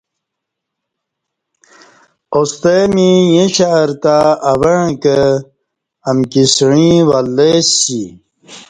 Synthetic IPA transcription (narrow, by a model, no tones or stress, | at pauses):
ost̪emijẽɕaɾt̪aːweɻ̃kə | ɐmkisɻ̃ĩwɐlːesḭ